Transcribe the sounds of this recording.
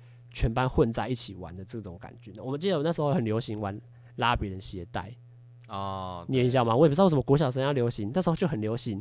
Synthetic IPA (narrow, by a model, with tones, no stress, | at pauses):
t͡ɕʰɥɛ˧˥npa˦nxwə˥˧˨nt͡sa˥˧ɪi˥˩t͡ɕʰi˨˩wa̰˧˦nd̪ə˨t͡sɤ˥˩t͡sʊ˨˦ŋka̰˨˩nt͡ɕɥɛ˦n˥˩wɔ˨mə˦t͡ɕi˥˩d̪ə˨wna˥˩ʂ̩˧xo˧˥˩xə˨ljo˧˥ʊɕi˧˦ŋwa˧˦n | la˦pji˨˩ɻə˨˦nɕjɛ˧˦t̪a̰˥˩ɪ˨˩ | n˨ɛ˧˦i˧ɕja˥˩ma˨wɔ˦e˨˩p̩̪˧˥˧ʂm˥˧kɔ˧˦˥ɕjɑ˨˩ʂ̬ljo˧˥ʊɕi˧˦ŋna˥˩ʂɨ˧˥xt͡ɕo˥˩xə˨˩nljo˧˥ɕi˧˦ŋ